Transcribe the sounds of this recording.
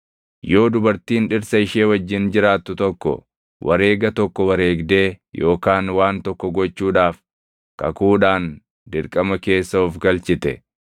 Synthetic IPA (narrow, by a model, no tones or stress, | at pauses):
jo̞ːd̪ʊbɐɾt̪iːnᶑɪɾsɐɪʃeːwɐd͡ʒːɪnd͡ʒɪɾaːt̪ːʊt̪ɔkːɔ̰ | wʔɐ̰ɾe̞ːɡɐt̪ɔkːɔwɐɾe̞ːɡd̪e̞ːjo̞ːkaːnwaːnt̪ɔkːɔɡɔt͡ʃːuːᶑaːf | kɐ̰kuːᶑaːn | d̪ɪɾkʼɐmɐke̞ːsːɐɔfɡɐlt͡ʃɪt̪ɛ̰